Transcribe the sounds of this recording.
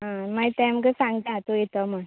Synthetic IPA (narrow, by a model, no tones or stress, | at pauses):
ɦãmajt̪amkəsãŋɡt̪at̪ojet̪əmə